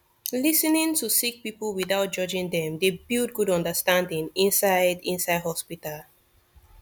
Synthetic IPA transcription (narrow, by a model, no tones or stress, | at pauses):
lisənĩŋtusik̚pipəlwiθaʊt̚d͡ʒɔd͡ʒĩŋdɛ̃mdebild̚ɡudɔ̃ndəstãndĩŋĩnsaɪdĩnsaɪdhɔspital